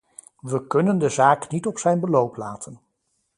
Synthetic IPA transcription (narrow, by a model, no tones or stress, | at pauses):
ʋəkɵnəndəzaːknitɔpsɛjnbəlowplaːtʰən